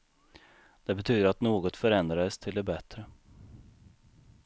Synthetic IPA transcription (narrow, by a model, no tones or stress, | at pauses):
d̪̥ɛbɛt̪ʰyːd̪əɾat̪noːɡɔt̪fœɾɛnd̪ɾad̪əst̪ʰɪld̪ɛbɛt̪ɾə